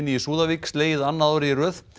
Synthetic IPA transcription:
nːɪisuːðaviksleːjɪðanːaaːwɾɪrœːθ

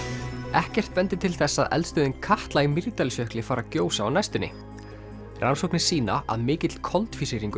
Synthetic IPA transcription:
ɛhcɛr̥t̪pɛnt̪ɪt̪ʰɪlθɛsːaðʔɛ̰lst̪œðɪnkʰaht̪laimɪɾt̪alsjœhklɪfaːɾacoːwsaawnajst̪ʏnːɪ̰ | rʔansowknɪ̥siːna̰a̰ðmɪːcɪt̪l̥kʰɔlt̪fisiɾiŋkʏ

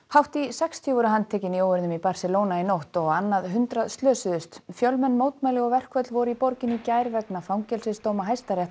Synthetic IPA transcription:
hawht̪isɛkst̪ʰɔvʏɾʏɦant̪ʰɛːcɪnioːwɪɾðnʏmipaɾ̥sɛloːwnainowht̪ɔɣanːaðɦʏnt̪ɾaðst̪lœːsɪðʏst̪fjœlmɛnːmoːwtt̪majlɪɣɔɣvɛr̥kʰvœt̪lvɔɾʏipɔɾcɪnicaːjɾvɛknafawŋcɛlsɪst̪oːwmaɦajst̪aɾɛht̪

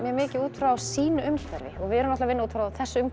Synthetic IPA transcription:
mjɛmɪːcɪuːt̪fɾaawsiːnʏʏmt̪ʰɛɾvɪ̰ɔɣvɪɛɾʏmnat̪avɪnːauːt̪fɾaːawθɛsːʏʏm

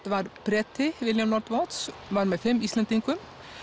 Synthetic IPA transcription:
d̪̥ʋɑːɾpɾɛt̪ʰːɪʋɪljɑmlɔɾt̪ʋɔːt̪sʋɑːɾmeːfɛmiːslɛnt̪ɪŋkʊm

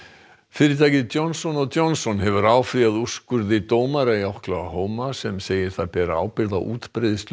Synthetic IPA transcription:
fɪːɾɪt̪ʰaːjcɪðt̪jɔnsɔnɔɣt̪jɔnsɔnɦɛvʏɾaːwfɾiaðuskʏɾðɪt̪oːwmaɾajawhklaaɦoːwmasɛmseːjɪɾ̥θaðpɛɾa̰ːwpɪɾða̰ʔṵːt̪pɾeðɪst̪l

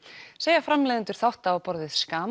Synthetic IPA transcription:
seːjafɾamlɛːðʏnt̪ʏɾ̥θawht̪aːpɔɾðɪð̥skaːm

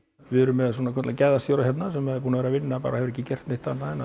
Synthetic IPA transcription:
ʋɪðɛɾʏmːɛðs̬ɔnakʰɛt̪lacajðast̪joːwɾajɛt̪nasɛmːɛðpuːnavɛɾavɪnːapa̰ːɾahɛvʏɾɛhcːɪcɛr̥t̪neht̪anːaɛna

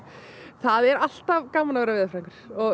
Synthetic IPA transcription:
θaðɛɾal̥t̪avkaːmːanavɛːɾavɪːðafɾajŋkʏɾ̥ɔ

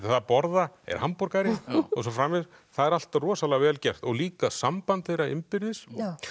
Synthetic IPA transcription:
apɔɾðaɛ̰ɾ̥hampɔɾkaɾɪɔsɔfɾaːmɪð | θaðɛɾal̥t̪arɔːsaðlɛɣavɛːlcɛr̥t̪ɔɣliːkasampant̪θejɾaɪmpɪɾðɪs

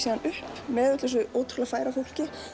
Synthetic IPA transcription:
siːðanʏhpmɛːvʏt̪lɛsʏoːwt̪ʰɾʏlafaːjɾafowl̥cɪ

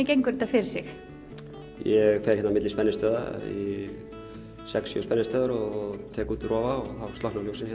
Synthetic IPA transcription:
ɪcejŋkʏɾ̥t̪afɪɾ̥sɪx | jɛɣfɛɾ̥çɛt̪namɪt̪lispɛnːɪst̪œːða̰ḭ | sɛksːjʏ̰spɛnːɪst̪œːðʏɾɔɣt̪ʰɛːkuːt̪ɾɔːvaɔɣθawst̪lɔhknaljowsɪnçɛt̪

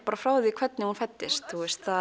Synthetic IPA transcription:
paːɾafɾawðɪðikʰv̥ɛt̪nɪhunfat̪ːɪst̪θuɛst̪θa

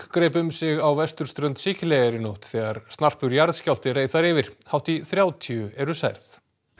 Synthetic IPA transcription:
kɾejpʏmsɪɣawvɛst̪ʏɾ̥st̪ɾœnt̪siːcɪlejɣaɾɪnowht̪θɛːɣaɾ̥st̪nar̥pʏɾjaɾðscawl̥t̪ɪreːjθθaɾɪːvɪɾ̥hawt̪iθɾjaːwt̪ʰiʏɛɾʏsajɾθ

